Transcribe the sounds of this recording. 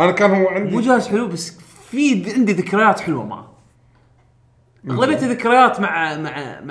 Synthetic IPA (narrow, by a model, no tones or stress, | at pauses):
ʔanakaːnhʊwːʕɪnd̪mud͡ʒaːhazħʊlwbasː | fiʕɪnd̪iðɪkɾɑjaːt̪ħʊlwa̰ma̰ | ʔaɣlabejːt̪iðɪkɾɑjaːt̪maʕmaʕm